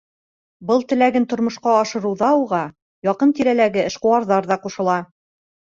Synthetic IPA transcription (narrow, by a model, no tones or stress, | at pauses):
bɤlˠt̪ɘ̆læɡɘnt̪ŏɾmŏʃqɑːʃɤ̆ɾɤ̆wðɑuʁɑ | jɒqɤnt̪iɾælæɡɘɘ̆ʃqŏwɑɾðɑɾðɑquʃɤ̆lˠɑ